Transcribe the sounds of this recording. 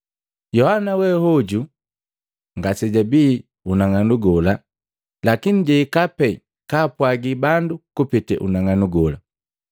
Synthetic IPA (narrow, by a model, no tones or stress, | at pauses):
jɔhanawɛhɔɟu | ŋɡasɛɟabiː | unaŋanuɡɔla | lakiniɟɛikapɛ | kaːpwaɡibandukupitɛ̰ʔṵnaŋanuɡɔla